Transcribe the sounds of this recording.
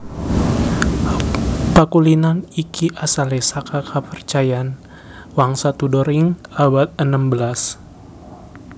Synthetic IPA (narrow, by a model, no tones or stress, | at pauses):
pəkulinanikʰiʔasalesakakʰapərt͡ʃajan | waŋsat̪udɔɾiŋawat̪̚ənambəlas